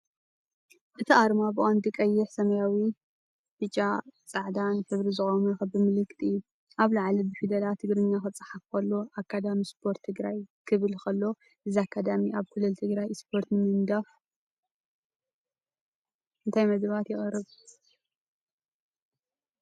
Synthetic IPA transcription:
ʔɨt̪ʰiʔaɾmabɨʔʼand̪ikʼɐjːɪħsɐmɐjawi | bɨt͡ʃʼːat͡sʼaʕd̪anfʰɨβɾizɨxʼomɨxɐbɨmɨlɨkʼːt̪ʼɨjːu | ʔaβlaʕlibɨfid̪ɐlat̪ʰɨɡɾɨɲːaxɨt͡sʼɐ̥ħafkʰɐlːo̞ʔakːad̪amispʰo̞ɾt̪ʰːɨɡɾajkʰɨβɨlkʰɐlːo̞ | ʔɨziakʰːad̪amiʔaβkʰɨlɨlt̪ʰɨɡɾajspʰo̞ɾt̪nɨmɨnd̪af | ɨnt̪ʰajmɐd̪βat̪jɪxʼɨrɨβ

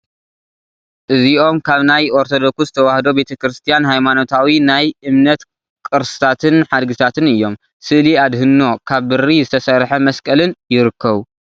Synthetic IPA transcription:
ʔɨziʔo̞mkʰaβnajʔoɾt̪ʰo̞d̪o̞kszɨt̪ʰɐwahd̪o̞be̞t̪ʰɐkɾɨst̪ʰijanɦajmano̞t̪ʰawinajʔɨmnɐt̪ | kʼɨɾsɨ̥t̪ʰat̪ʰɨnħad̪ɡɨt̪ʰat̪ʰɨnɨjːo̞m | sɨʔliad̪ɦɨnːo̞kʰaβːɨɾːizɨt̪ʰɐsɐɾħɐmɐskʼɐlɨnjɪɾɨkːɐβu

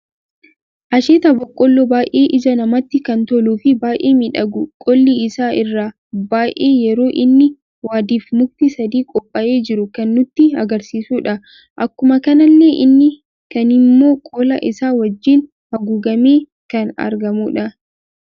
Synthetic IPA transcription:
ʔɐʃeːt̪ɐbɔkʼːɔlːɔbaːjʔe̞ːʔɪd͡ʒɐnɐmɐt̪ːɪkɐnt̪ɔluːfɪbaːjʔeːmɪᶑɐɡʊkʼɔlːiɪsaːʔɪrːaː | baːjʔʔeːjɛɾo̞ːʔɪnːɪ | waːd̪iːfmʊk̚t̪isɐd̪iːkʼɔpʼːɐʔe̞ːd͡ʒɪɾʊkɐnːʊt̪ːɪɐɡɐɾsiːsuːᶑɐ | ʔɐkːʊmɐkɐnɐlːe̞ːʔɪnːɪ | kɐnɪmːo̞ːkʼoːlɐ̰ʔɪsaːwɐd͡ʒːin | hɐɡuːɡɐme̞ː | kɐnɐ̰ɾɡɐmuːᶑɐ

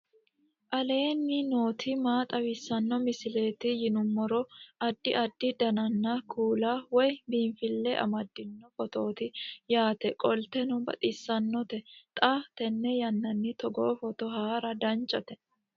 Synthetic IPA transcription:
ʔɐle̞ːnːɪno̞ːt̪ʰɪmaːt̪ʼɐwɪsːɐnːɔmɪsɪle̞ːt̪ɪjɪnʊmːɔɾɔɐd̪ːɪʔɐd̪ːɪd̪ɐnɐnːɐkʰuːlawɔjbiːɱfɪlːɛʔɐ̰mɐd̪ːɪnːɔfɔt̪oːt̪ɪjaːt̪ɛkʼɔlt̪ɛnɔbɐ̰t̪ʼɪsːɐnːɔt̪ɛt̪ʼaːft̪ɛnːɛjɐnːɐnːɪt̪ɔɡoːfɔt̪ɔɦaːɾɐd̪ɐnt͡ʃʼːɔt̪ɛ

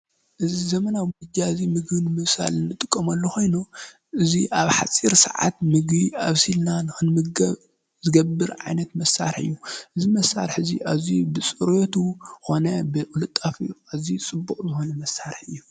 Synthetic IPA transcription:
ʔɨzizɐmɐnaɡd͡ʒaɨzimɨɡbɨnɨmɨβsa̰lɨnːɨt̪ʼɨkʼːɐmɐlːoxo̞jnu | ʔɨziʔaβħa̰t͡sʼiɾsɐ̰ʕa̰t̪mɨɡβiaβsilnanɨxɨnmɨɐβ | zɨɡɐbːɨɾʕa̰jnɐt̪mɐsːa̰ɾħɨ̰jːuʔɨzimɐsa̰ɾħɨzḭʔazibɨsʼɨɾot̪ʰuxo̞nɐbɨʔɨlɨt̪ʼːafiʔazit͡sʼɨbːuxʼzɨxonɐmɐsːaɾħɨ̰jːu

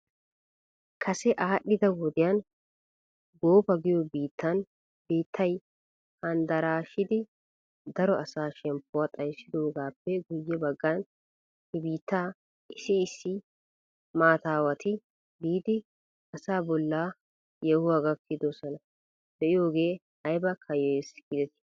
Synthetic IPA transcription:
kʰɐsɛʔaːɗːɪd̪ɐwɔd̪ɪjan | ɡoːfɐɡɪjobiːt̪ːɐn | biːt̪ʰːɐj | hɐnd̪ɐɾaːʃɪd̪ɪ | d̪ɐɾɔʔɐsaːʃɛmpːʊwat̪ʼɐjsːɪd̪o̞ːɡaːpːɛɡʊjːɛbɐɡːan | hɪbiːt̪ːaː | ʔɪsɪːsːɪ | maːt̪aːwɐt̪ɪ | biːd̪ɪ | ɐsaːbɔlːaː | jɛhʊwaɡɐkʰːɪd̪osɔnɐ | d̪ɛʔɪjo̞ːɡe̞ː | hɐjbɐkʰɐjɔjɛsɡɪd̪ɛt̪ɪ̥

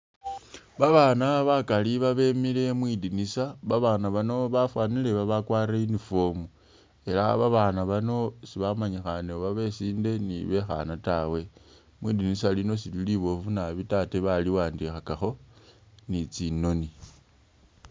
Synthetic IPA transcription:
βaβaːnaβakaliβaβe̞mile̞mwidinisaβaβaːnaβanoβafwaːnile̞βaβakwaːɾainifo̞mu | e̞laβaβaːnaβano̞siβamaɲixaneβaβe̞siːnde̞niβe̞xa̰natawe̞ | mwidinisalino̞sililiβo̞vunaβitateβaliwaːndixakaxo̞ | nit͡sino̞ni

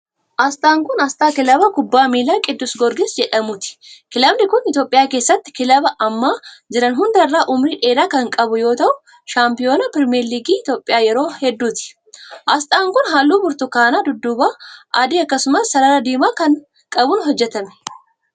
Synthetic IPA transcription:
ʔɐst̪ʼaːŋkʊnɐst̪ʼaːkɪlɐbɐkʊbːaːmiːlaːkʼɪd̪ːʊsɡɔɾɡɪsd͡ʒɛᶑɐmʊt̪ɪ̥kɪlɐbnɪkʊnɪt̪jo̞ːpʼɪjaːke̞ːsːɐt̪ːɪ̥kɪlɐbɐʔɐmːaːd͡ʒɪɾɐnɦʊnd̪ɐrːaːʔʊmɾiːᶑeːd̪aːkɐŋkʼɐbʊjo̞ːt̪ɐʔʊ | ʃaːmpɪjo̞ːnɐpɪɾmeːɾliːɡiːɪt̪jo̞ːpʼːɪjaːjɛɾo̞ːhɛd̪ːuːt̪ɪ̥ | ʔɐst̪ʼaːŋkʊnɦaːlːuːbʊɾt̪ʊkaːnaːd̪ʊd̪ːʊbaːʔɐd̪iːɐkːɐsʊmɐsːɐɾɐɾɐd̪iːmaːkɐn | kʼɐbʊnɦɔd͡ʒːɛt̪ɐmɛ̥

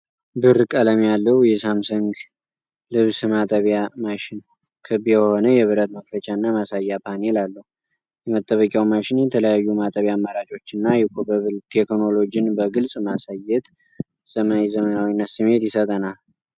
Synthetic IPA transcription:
bɨɾkʼələmjalːəwjɛsamsɨŋɡ | lɨβsɨmat̪ʼəβjamaʃɪn | kʰɨβjɛho̞nəjɛβɨɾət̪məklət͡ʃʼaɨnːamasajːapʰane̞lalːəhu | jɛmət̪ʼːəβəkʼawmaʃɪnjɛt̪ʰələjajːumat̪ʼəβjamːaɾat͡ʃʼo̞t͡ʃːɪnːajɛkʰbəβɨlt̪ʰeknolo̞d͡ʒiɪnbəɡɨlsʼmasajɛt̪ | səmazəmənawinːasɨmːe̞t̪jɪsət̪ʼənal

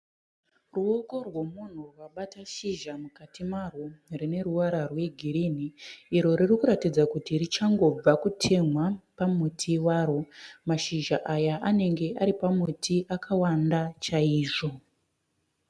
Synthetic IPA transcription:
ruoɡo̞rwomun̤urwaɓataʃiʒamukatimarorine̞ɾuwaɾarwe̞ɡʱiɾin̤iːɾo̞ɾirikuɾatid͡zakutirit͡ʃaŋɡo̞b͡vakutʰe̞mwapamutʰiwaːɾomaʃiʒaʔajaʔane̞ŋɡe̞ʔaɾipamutʰiʔakʰawandat͡ʃaiːʐo̞

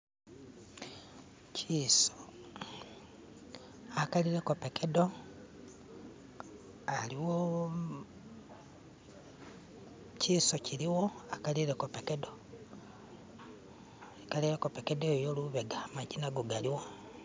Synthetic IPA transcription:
akaliɾe̞kopekedo | aliwo | ciːsociɾiwo̞akaliɾekopekedo | ikaliɾekopekedoejoluβeɡamaɟinaɡuɡaliwa

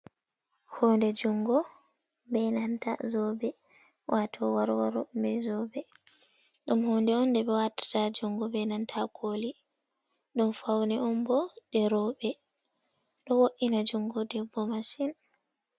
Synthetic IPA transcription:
hoːndɛd͡ʒuŋɡɔ | bɛnanta̰zɔbɛ | wʔatʰɔwaɾwaɾɔ̰mbɛzɔbɛ | ɗumhɔːndɛɔndɛɓɛwatḁtad͡ʒuŋɡɔbɛnantʰakʰoli | ɗumfawnɛʔɔmbɔɗɛɾɔɓɛ | ɗɔwoʔinad͡ʒuŋɡɔdɛbːɔmasin

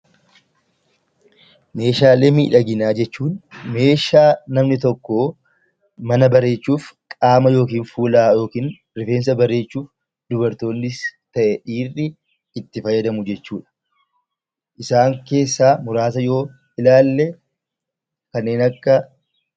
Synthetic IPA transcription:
me̞ːʃaːleːmḭːᶑɐɡɪnaːd͡ʒɛt͡ʃːuːnme̞ːʃaːnɐmnɪt̪ɔkːo | mɐnɐbɐɾe̞ːt͡ʃːuːfkʼaːmɐjo̞ːk̬iːnfuːlaːjo̞ːkiːn | ɾɪfe̞ːns̬ɐbɐɾe̞ːt͡ʃːuːf | d̪ʊbɐɾt̪o̞ːnːɪst̪ɐʔɛᶑiːrːɪː | t̪ːɪfɐjːɐd̪ɐmʊd͡ʒɛt͡ʃːuːᶑɐ̥ | ʔɪsaːŋke̞ːsːaːmʊɾaːsɐjo̞ː | ɪlaːlːɛ | kɐnːe̞ːnɐkːɐ

